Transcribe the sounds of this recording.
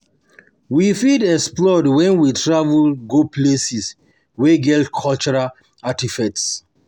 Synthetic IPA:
wifidɛksplɔdwɛ̃nwitɹavulɡoplesis | weɡɛltkʰɔlt͡ʃɔɹa | atifɛts

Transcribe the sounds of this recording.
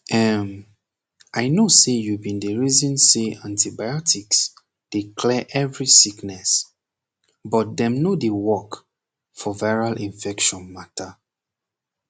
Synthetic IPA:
ʔɛm | ʔajnosejubĩndəɹizɔ̃nseãntibajɔtʰiks | d̥ikʰlɛʔɛvɹisiknɛs | bɔt̚dɛ̃mnodewɔk | fɔvaɪɹalʔĩɱfɛkʃɔ̃nmatʰa

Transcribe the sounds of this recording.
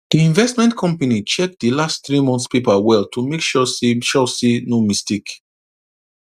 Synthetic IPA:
diĩɱvɛstmɛ̃ntkʰɔ̃mpanit͡ʃɛk̚dilastθɹimɔ̃nθspepawɛltʰumekʃɔseʃɔsenomistik

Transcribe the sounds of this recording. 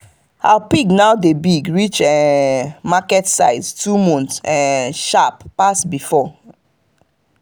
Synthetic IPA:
ha̰piɡnaʊdebiɡɹit͡ʃɛ | makɛtsaɪztumɔ̃ntsɛ̃ʃapːasbifɔ

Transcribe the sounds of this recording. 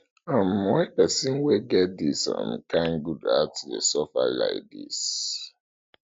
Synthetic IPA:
amwɛpəsĩnweɡɛt̚disã̰mkãŋɡuda̰tdḛsɔfa̰la̰ɪk̚dḭs

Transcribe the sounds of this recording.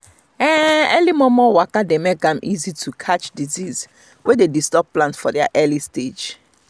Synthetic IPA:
ɛɛlimɔmɔwakademɛk̚ɡãmʔizitʰukʰat͡ʃdiziz | wededistɔppːlãnsfɔdɛa̰ʔɛlisted͡ʒ

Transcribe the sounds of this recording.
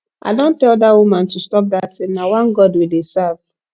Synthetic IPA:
a̰dɔ̃n̩teɔdawumãn̩tustɔp̬̚datɪnawãnɡɔdwedesav

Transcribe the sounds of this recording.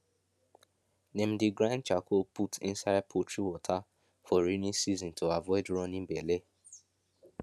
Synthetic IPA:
nẽm̩diɡɾãnt͡ʃakoputʰḭ̃nsaɪd̚pʰotʰɾiwɔtʰa | fɔɾinĩsizɔ̃ntʰoavɔɪdɾɔ̃nĩbɛle

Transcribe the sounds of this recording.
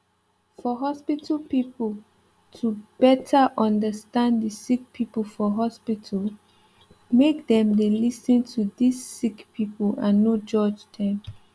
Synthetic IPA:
fɔɦɔspitʰəpipəl | tʰubɛtʰəʔɔ̃ndəstãnddəsik̚pʰipəlfɔɦɔspitʰəl | mekdɛ̃mdelisə̃ntʰudisːikpʰipəlãnːod͡ʒɔd͡ʒdʰɛ̃m

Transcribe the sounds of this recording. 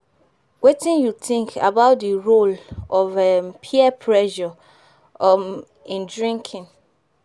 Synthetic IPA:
wetĩnjuθĩŋkʰa̰baʊt̚dəɹolɔvɛpʰiɛpʰɹɛʒɔ | m | ĩndɹĩŋkʰɪ̃n

